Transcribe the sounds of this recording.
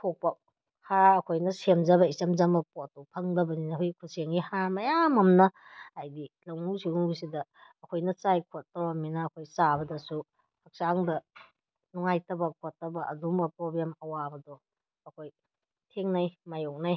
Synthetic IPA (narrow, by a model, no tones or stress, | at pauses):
tʰok̚pɐ | haɐkʰojnɐsemzɐbɐisɐmzɐmɐpɔtɔpʰɐŋdɐbɐninɐhojkʰuseŋihamɐjamɐmnɐ | ajdilɐŋusiŋusidɐːkʰojnɐt͡ʃajkʰotːɐbaminɐːkʰojt͡ʃabɐdɐsu | hɐk̚saŋdɐ | nuŋajtɐbɐkʰotːɐbɐʔɐdumbɐpɾoblemɐwabɐdɔː | kʰoj | tʰeŋnajmajok̚naj